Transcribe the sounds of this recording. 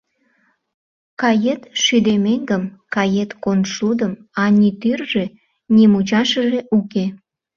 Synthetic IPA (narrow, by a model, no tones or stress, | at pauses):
kɑjet̪ʃyd̪emeŋɡəmkɑjet̪konʃud̪əmɑnʲit̪yrʒĕ | nimut͡ɕɑʃə̆ʒeʔuke